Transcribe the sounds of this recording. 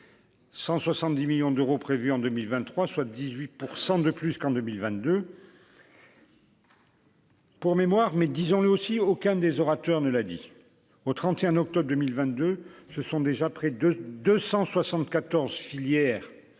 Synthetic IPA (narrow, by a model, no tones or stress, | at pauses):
sɑ̃swasɑ̃t̪̚d̪imiljɔ̃d̪øʁopχevyɑ̃d̪ømilvɛ̃nːχwaswad̪izɥit̪puʁsɑ̃d̪əplyskɑ̃d̪ømilvɛ̃t̪̚d̪ø | puʁmemwaʁmɛd̪izɔ̃ləosiokɛ̃d̪ezɔʁat̪œʁnəlad̪ḭ | ot̪χɑ̃t̪eɛ̃ɔk̚t̪ɔbʁd̪əmilvɛ̃t̪̚d̪øsəsɔ̃d̪eʒapχɛd̪øsɑ̃swasɑ̃t̪kat̪ɔʁzfiljɛːʁ